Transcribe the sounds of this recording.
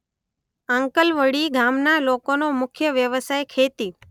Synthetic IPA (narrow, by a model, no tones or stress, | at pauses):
ãŋkəlʋəɽiɡʱamnalokonomʊkʰjəʋjəʋəsajkʰet̪i